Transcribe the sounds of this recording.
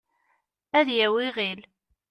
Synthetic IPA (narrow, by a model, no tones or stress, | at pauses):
æðjæwɪʁil